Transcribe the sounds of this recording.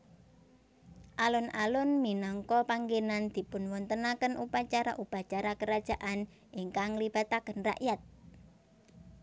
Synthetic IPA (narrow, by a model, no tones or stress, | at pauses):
ʔalʊnalʊnminɔŋkɔpaŋɡenand̪̥i̤pʊnwɔnt̪ənakənʔupat͡ʃaɾa̰ʔupat͡ʃaɾakəɾad̥ʒ̥a̤ʔan | ʔiŋkaŋlib̥a̤t̪akənra̰ʔjat̪̚